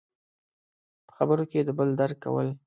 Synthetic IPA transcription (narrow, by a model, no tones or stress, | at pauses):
pə̥xabəɾoked̪əbəld̪aɾkːa̰wə̰l